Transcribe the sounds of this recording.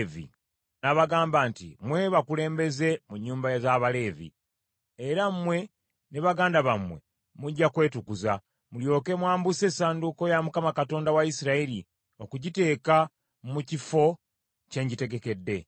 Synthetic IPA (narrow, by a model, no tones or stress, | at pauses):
vḭ | naβaɡaːmbantḭmwe̞βakule̞ːmbe̞ze̞muɲːuːmbazaβale̞ːvḭ | eɾamwe̞ | neβaɡaːndaβamwe̞̰ | muɟːakwe̞ːtukuza | muljo̞ːke̞mwaːmbuse̞ːsaːnduko̞jamukamakato̞ːndawaisiɾaili | okuɟite̞ːka | mucifo̞ | ce̞ːɲɟite̞ɡe̞ke̞dːe̞